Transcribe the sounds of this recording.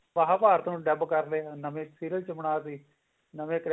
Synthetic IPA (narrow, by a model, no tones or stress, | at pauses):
ʋəɦaːpaːɾt̪õːɖɛbkəɾleːnəmẽːsiːɾəlt͡ʃəmɳaːsiː | nəʋẽːkɾ